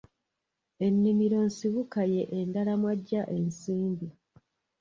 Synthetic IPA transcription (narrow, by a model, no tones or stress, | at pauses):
e̞nːimiɾo̞nsiβukaje̞ʔendalamwaɟːaʔensiːmbi